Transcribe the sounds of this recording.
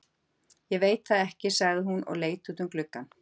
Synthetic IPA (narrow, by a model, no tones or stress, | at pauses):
jɛvejt̪̚θaðɛhcɪsaɣðɪɦunʔɔ̰ɣleːjt̪uːt̪ʏmklʏkːan